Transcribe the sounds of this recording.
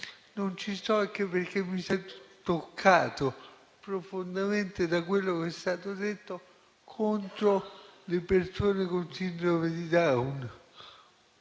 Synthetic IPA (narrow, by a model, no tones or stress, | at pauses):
nont͡ʃisɔɛk̟ːepːerk̟emːisat̪okʰːaːt̪o | pɾofond̪ament̪ed̪akwelːokeɛst̪aːt̪od̪et̪ːo | kʰont̪ɾolepersoːnekonsind̪ɾomed̪id̪awn